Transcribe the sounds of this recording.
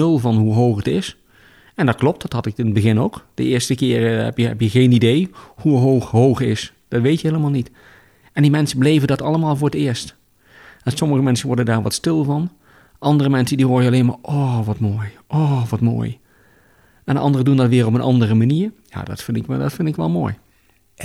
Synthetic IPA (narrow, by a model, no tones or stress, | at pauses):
ɵlˠvɑnɦuɦowχətɪs | ɛndɑt̚klɔp̚tdɑtɦɑtɪkɪnəd̚bəɣɪnowkd̥ə̰ɪːɹstəkɪːɹɦɛ̰pjəɦɛ̰pjəɣejnidejhuɦowxɦowχɪs | d̥ɑtʋejtjəɦejləmaːlˠnit | ɛndimɛnsəblejvəndɑtɑləmaːlˠvʊːɹətɪːəɹst | ɛsɔməɣəmɛnsənʋɔɹdəndaːɹʋɑ̰tstɪlˠvɑn | ʔɑndərəmɛnsəndiɦoːɹjəɑlejnma̰ːɹʔɔʋɑtmoːjʔɔʋɑtmo̰ːj | ɛndəʔɑ̰ndərədundɑtʋɪːrɔpənʔɑ̰ndərəmaniːɹja̰ːdɑ̰tfɪndɪkdɑtfɪndɪkʋɛ̰lˠmo̰ːj